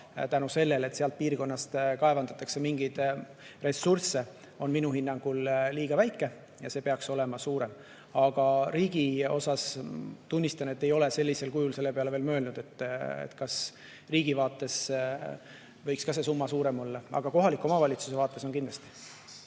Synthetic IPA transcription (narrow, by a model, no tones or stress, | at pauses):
t̪ænuse̞lːe̞le̞t̪seɑlt̪̚piːrko̞nːɑst̪kɑevɑnd̪̥ɑt̪ːˑɑkse̞miŋɡ̥id̪̥ | re̞sːurse̞ | o̞nminuhinːɑŋɡ̥ulliːɡ̥ɑvæjkːˑe̞ | jɑse̞ːpeɑkso̞le̞mɑsuːɾe̞m | ɑɡ̥ɑɾiːɡ̥io̞̰sɑst̪unʲːist̪ɑne̞t̪ːe̞jo̞le̞se̞lʲːise̞lkujulse̞lːe̞peɑlve̞ːlmøːlnud̪̥e̞t̪ːḛt̪kɑs | riːɡ̥ivɑːt̪ːˑe̞s | vɤ̞jkskɑse̞s̬umːɑsuːɾe̞mo̞lːɑɑ̰ɡ̥ɑko̞ɦɑlikːˑo̞mɑvɑlʲit̪suse̞vɑːt̪ːe̞so̞nkind̪lɑst̪i̥